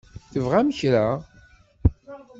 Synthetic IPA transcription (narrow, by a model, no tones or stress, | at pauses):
θəvʁaməçɾæ